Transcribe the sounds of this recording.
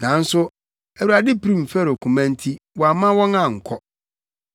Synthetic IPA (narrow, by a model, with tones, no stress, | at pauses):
nã˨n̩˦sʊ˦ | æ˨wu˨a˨dɪ˦pi˦ɾĩ˦˨m̩˨fɛ˦ɾo˨kʰũ˨mæ̃˦n˦tʰi˦wɔ˨a˨mã˦wɔ̃˦ŋã˨ŋ̩˨kʰɔ˦